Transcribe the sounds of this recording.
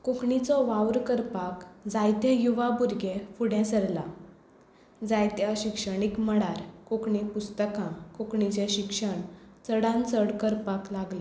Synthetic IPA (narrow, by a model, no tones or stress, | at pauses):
kokɳit͡sɔʋawɾkəɾpakd͡zajt̪jãjuʋabuɾɡefuɽɛ̃səɽla | d͡zajt̪jaɕikʂəɽ̃ikməɽaɾkokɳipust̪əkãkokɳit͡ɕeɕikʂəɳt͡səɽãnt͡səɽkəɾpaklaɡle